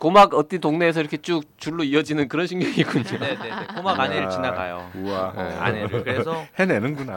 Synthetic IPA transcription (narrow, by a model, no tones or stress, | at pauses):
komaɡʌt͈intoŋne̞ːs̬ʰʌiɾʌkʰet͡ɕ͈uk̚t͡ɕuɭːoiʌd͡ʑinɯnkɯɾʌnɕʰiŋɡjʌŋiɡuɲoneneekomaɡaneɾɯɭt͡ɕinaɡa̰jo̰uanḛa̰neɾkɯɾesʰʌhenenɯnɡuna